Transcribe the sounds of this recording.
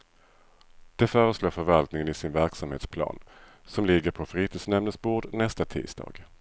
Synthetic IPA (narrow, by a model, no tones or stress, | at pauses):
d̪̥ɛfœːɾəsloːɾfœɾvalt̪nɪŋənɪsɪnvæɾksamheːt̪spʰlɑ̰ːn | sɔmlɪɡəɾpʰɔfɾiːt̪ʰɪsnɛmnəsbuːɖnɛst̪at̪ʰḭ̥ːsd̪ɑ̰ːɡ̥